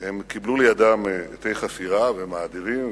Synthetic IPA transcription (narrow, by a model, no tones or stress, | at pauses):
hemkiblulejad̪amet̪ejχasiʁavemaːd̪iʁim